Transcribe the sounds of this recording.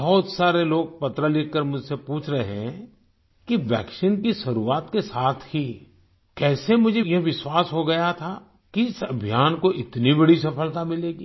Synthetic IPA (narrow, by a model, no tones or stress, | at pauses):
bɔɦːt̪saːɾeloːɡ̚pɐt̪ɾəlɪkəɾmʊd͡ʒʱsepuːt͡ʃʰɾɐɦeɦɛ̃ | kiʋjɛːkʃɪnkisɐɾuːaːt̪kesaːt̪ʰhi | kɛːsemʊd͡ʒʱejɐɦʋɪswaːsɦoɡɐjat̪ʰaː | kiɪsɐbʱjaːnkoʔɪt̪nibɐɽisɐfəlt̪amɪleːɡiː